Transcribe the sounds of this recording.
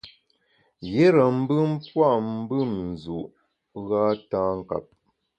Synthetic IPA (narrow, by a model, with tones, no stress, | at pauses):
je˦ɾə˨m̩˦bɨ˦m̩˦pwa˦ʔm̩˦bɨ˦mn̩˨zu˨ʔ | ɣaː˦taː˦ŋ̩˨ka̰˨p̚